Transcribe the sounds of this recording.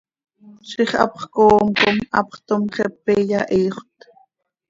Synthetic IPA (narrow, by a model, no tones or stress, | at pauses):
ʃiχɑ̰pχkoːmkomʔɑ̰pχt̪omχɛpːeːjɑʔiːχʷt̪